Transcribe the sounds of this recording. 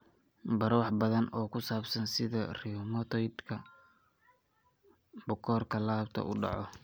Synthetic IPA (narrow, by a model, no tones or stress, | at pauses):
bɐɾwɑħbɐðɐnɔːkʰʊsaːbsɐnsɪðɐrimɔt̪ʰɔjd̪kʰɐ | bʊkʰɔːrkʰɐlaːbt̪ʰɐ̰ʔʊ̰ɖɑ̰ʕɔ